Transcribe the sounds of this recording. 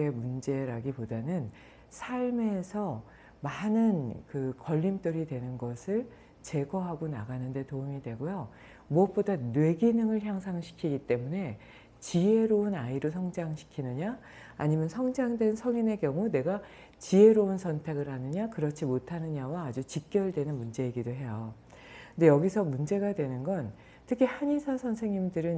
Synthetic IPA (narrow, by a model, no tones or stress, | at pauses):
emund͡ʑe̞ɾaɡipodanɯn | sʰaɭme̞sʰʌ | manɯnkɯkʌʎːimt͈oɾidwe̞nɯnɡʌsʰɯɭ | t͡ɕe̞ɡʌɦaɡona̰ɡanɯnde̞toumidwe̞ɡojo | muʌp͈odanwe̞ɡinɯŋɯɭçjaŋsʰaŋɕʰi̥kʰiɡit͈e̞mune̞ | t͡ɕie̞ɾounaiɾos̬ʰʌŋd͡ʑaŋɕʰi̥kʰinɯɲa | aɲimjʌnsʰʌŋd͡ʑaŋdwe̞nsʰʌŋine̞kjʌŋune̞ɡa | t͡ɕie̞ɾounsʰʌntʰe̞ɡɯɭɦanɯɲakɯɾʌt͡ɕʰimotʰanɯɲawaːd͡ʑut͡ɕik̚k͈jʌɭdwe̞nɯnmund͡ʑe̞iɡidoɦe̞jo | knde̞jʌɡisʰʌmund͡ʑe̞ɡadwe̞nɯnɡʌn | tʰɯkʰihaɲisʰasʰʌnsʰe̞ŋɲimdɯɾɯn